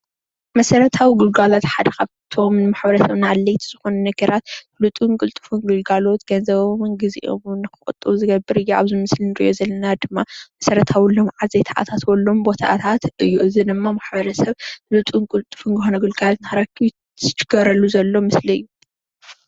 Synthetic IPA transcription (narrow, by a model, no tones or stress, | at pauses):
mɐsɐɾɐt̪ʰawiɡɨlɡalot̪ħad̪ɐkaβt̪ʰo̞mnɨmaħbɐɾɐsɐβnalːɐjt̪ʰz̥ɨxonɐnɐɡɐɾat̪ | lut̪ʼunkʼɨlt̪ʼɨ̥funɡɨlɡalo̞t̪ɡ̥ɐnzɐβomnɡɨzḭʔo̰mnːɨkɨxʼɨ̰t̪ʼːɨβuzɨɡɐbːɨɾɨjːua̰βzimɨslinɨɾḭʔo̞zɐlːɐnad̪ɨmːamɐsɐɾɐt̪ʰawilomʕazet̪ʰaʔa̰t̪ʰat̪wɔlːombo̞t̪ʰa̰t̪ʰat̪ɨjːuɨzid̪ɨmːamaħbɐɾɐsɐβlut̪ʼunkʼɨlt̪ʼːɨ̥funzɨxonɐɡɨlɡalot̪nɨxaɾakʰːi | ɨt͡ʃɨ̥ɡ̥ɐɾɐlːuzɐlːo̞mɨsliɨ̰jːu